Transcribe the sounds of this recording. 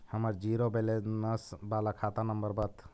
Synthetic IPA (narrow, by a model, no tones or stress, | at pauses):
həməɾd͡ʒiɾobelenəsbalakʰat̪anəmbəɾbət̪ʰ